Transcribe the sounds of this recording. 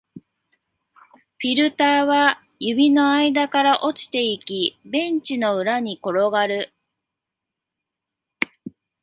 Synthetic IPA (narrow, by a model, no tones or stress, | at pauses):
ɸʲiɾɯ̟t̪aːβa | jɯ̟bʲino̞aid̪akaɾaʔo̞t͡ɕi̥t̪e̞ikʲibẽ̞ɲ̟t͡ɕino̞ɯ̟ɾaɲ̟iko̞ɾo̞ɡaɾɯ̟